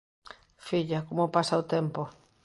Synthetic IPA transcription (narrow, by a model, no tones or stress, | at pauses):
fiʎakomopasaot̪empo